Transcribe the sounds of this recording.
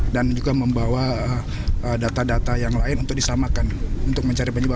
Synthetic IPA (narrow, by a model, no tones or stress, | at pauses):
dand͡ʒuɡaməmbawa | ədat̪adat̪ajaŋlaɪnunt̪ʊk̚disamakanunt̪ʊk̚məɲt͡ʃaɾibaɲiba